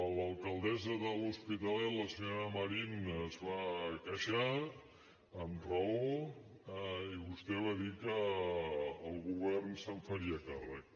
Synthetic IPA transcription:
ələlˠkəlˠd̪ɛzəðəluspit̪əlɛt̪ləsəɲoɾəməɾinzβakəʃa | əmrəo | iβust̪ɛβ̞aðikəː | lˠɣuβɛrnsəɱfəɾiəkarək

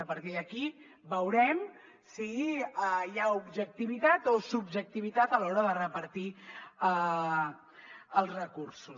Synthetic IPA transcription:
əpəɾt̪iðəki | bəwɾɛm | siəjaubʒək̚t̪iβit̪at̪osubʒək̚t̪iβ̞it̪at̪əlɔɾəðərəpəɾt̪iə | əlˠzrəkuɾsus

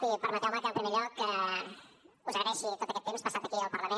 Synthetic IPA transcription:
ipəɾmat̪jawmak̪amp̪ɾemiʎokə | uzəɣɾɛʃit̪ot̪əkɛt̪ːemspasat̪ɐkiəlˠpəɾləmẽ

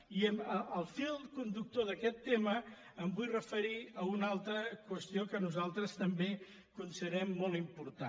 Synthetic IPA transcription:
iəməəlˠfilˠkund̪uk̚t̪oðəkɛt̪ːeməː | mbujrəfəɾiəunalˠt̪ɾəkwəst̪ijokənuzalˠt̪ɾəst̪əmbe | kunsiðəɾɛmːolˠimpuɾt̪a̰

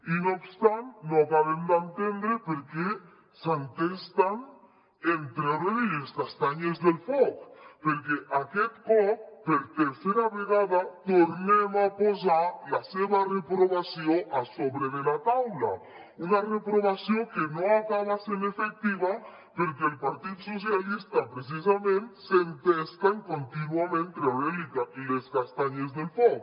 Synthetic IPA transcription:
inoobst̪ant̪nokaβend̪ant̪end̪ɾepeɾke | sant̪est̪an | ent̪ɾeðoiest̪ast̪aɲezðelfokpeɾkeʔaket̪kopeɾt̪eɾseɾaβeɣaðat̪oɾnemaposalaseβarepɾoβasjoŋasoβɾeðelat̪awla̰ | unarepɾoβasjoŋkenõŋakaβasẽnefek̚t̪iβa | peɾkeːlpaɾt̪iðusos̬jalist̪ɐpɾes̬is̬amẽnt̪sent̪est̪aŋkõnt̪inwamẽnt̪eaβelikaleskast̪aɲezðelfoɣ

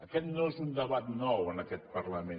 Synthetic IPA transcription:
akɛt̪nosund̪aβat̪nɔwanakɛt̪̚parlame

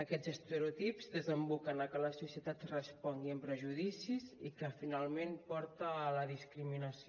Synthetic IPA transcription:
əkɛzəst̪əɾut̪ipzðəzəmbukənəkələsusiət̪at̪rəspɔŋɡiəmpɾəʒuðisizḭkəfinalˠmenpɔɾt̪əːləðiskɾiminəsio

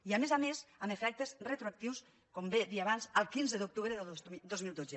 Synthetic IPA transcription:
iamezamezamefɛk̚t̪əzrət̪ɾuak̚t̪iws | kombed̪iaβanzəlˠkinzəðuk̚t̪uβɾəðd̪ozmilˠd̪ozə

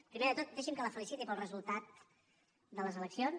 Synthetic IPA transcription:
pɾimeðət̪ot̪̚d̪ɛʃimkələfəlisit̪ipəlˠrəzulˠt̪at̪̚ | d̪ələzələksion

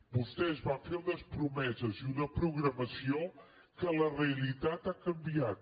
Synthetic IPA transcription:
bust̪eəzβaɱfeɾunəspɾumɛzəzunəpɾuɣɾəməsio | kələreəlit̪at̪akəmbiat̪̚

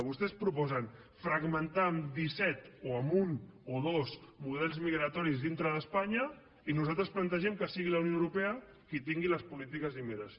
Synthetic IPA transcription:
βust̪ɛspɾupɔzən | fɾəɡmənt̪aəmd̪isɛt̪oəmunoðozmuð̞ɛlˠzmiɣɾət̪ɔɾizðint̪ɾəðəspaɲə | inuzalˠt̪ɾəsplənt̪əʒɛmkəsiɣiləwnioəwɾupeə | kit̪iŋɡiləspulit̪̬ikəzimeɾəs

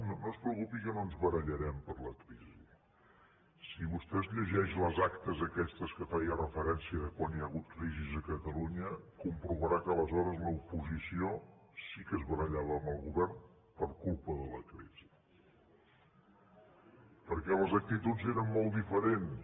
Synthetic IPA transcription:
nonospɾəukupikənoənzβəɾəʎəɾɛmpəɾləkɾizi | siβust̪ɛzʎəʒɛʃləzakt̪əzəkɛst̪əskəfajərəfəɾɛnsiəðəkwanjaɣut̪̚kɾizizəkət̪əluɲəkumpɾuβəɾakəːləzɔɾəzləupuzisiosikəzβəɾəʎaβəːməlˠɣuβɛrn | pəɾkulˠpəðələkɾiz̥i | pəɾkɛləzək̚t̪it̪ud͡zeɾəmːolˠtd̪ifəɾens

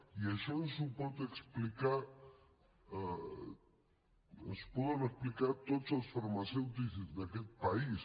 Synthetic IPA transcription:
iaʃɔnsupɔt̪əksplika | ə̰spɔɣəməksplikat̪ozəlˠsfaɾmasɛwt̪̬izzd̪akɛt̪̚pais

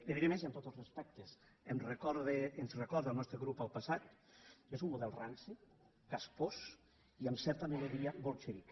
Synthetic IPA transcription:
eβiðemeziant̪ot̪elˠzrespɛk̚t̪es | emrekɔɾðeːnzrekɔɾðəlˠnɔst̪ɾeɣɾupalˠpasat̪̚ | ezummuðɛlˠransi | kaspos | iamsɛɾt̪ameloðiabolˠt͡ʃeɾik

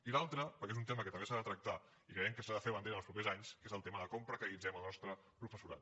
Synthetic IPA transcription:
ilalˠt̪ɾəpəɾkezunt̪eməkət̪əmbesaðət̪ɾək̚t̪a | ikɾəjɛmkəsaðəfeβənd̪eɾlˠspɾupezaɲskezəlˠt̪eməðəkompɾəkəlid͡zɛməlˠnɔst̪ɾə | pɾufəsuɾa̰t̪̚

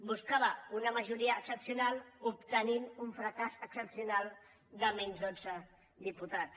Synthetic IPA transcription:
buskaβaunaməʒuɾiaːksəpsjunalupt̪əninuɱfɾakasəksəpsjunalˠ | d̪əmɛnzðod͡zə | d̪iput̪at

